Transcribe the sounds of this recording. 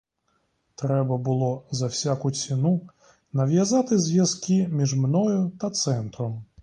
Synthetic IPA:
t̪ɾɛbɐbɨlˠɔzɐwsʲakʊt͡sʲinu | nɐwʲjɐzat̪ɪzʲʋʲjɐzkʲimʲiʐmnɔjʊt̪ɐt̪sɛnt̪ɾɔm

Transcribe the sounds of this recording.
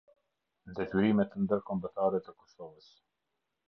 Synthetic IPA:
d̪ɛt̪yɾimɛt̪ənd̪əɾkɔmbət̪aɾɛt̪əkɔsɔvəs

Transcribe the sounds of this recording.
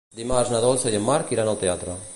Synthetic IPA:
d̪imaznaðɔlθajemːaɾkiɾanalt̪eat̪ɾa

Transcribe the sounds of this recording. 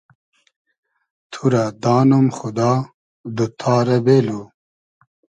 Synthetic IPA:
t̪ʰuɾad̪aːnumxud̪aː | d̪ut̪ʰaːɾɐbelo

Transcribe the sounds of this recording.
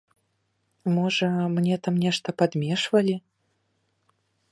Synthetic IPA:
mɔʐɐmnʲɛt̪amnʲɛʂt̪ɐpad̪mʲɛʂvɐlʲi

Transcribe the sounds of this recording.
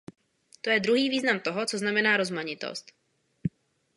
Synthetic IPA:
t̪ojɛd̪ɾuɦiːviːznamt̪oɦɔt͡soznamɛnaːɾo̞zmaɲɪt̪o̰st̪

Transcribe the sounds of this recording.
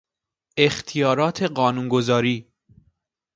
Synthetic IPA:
ext̪ʰijɒːɾɒːt̪ʰeɢɒːnuːnɡozɒːɾiː

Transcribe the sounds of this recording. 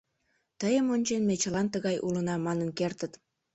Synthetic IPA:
t̪əjəmonʲt͡ɕenmet͡ɕəlɑnt̪əɣɑjʔulənɑmɑnənkert̪ət̪

